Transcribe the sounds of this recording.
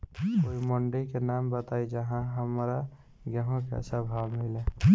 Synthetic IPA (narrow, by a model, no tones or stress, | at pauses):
koiməɳɖikenambət̪aid͡ʒəɦãɦəmɾa | ɡəɦõkḛsəbʱabmile